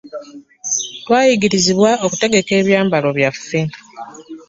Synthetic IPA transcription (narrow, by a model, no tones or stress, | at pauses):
twaːjiɡiɾiziβwaoku̥te̞ɡe̞ke̞ːβjaːmbalo̞βjafːe̞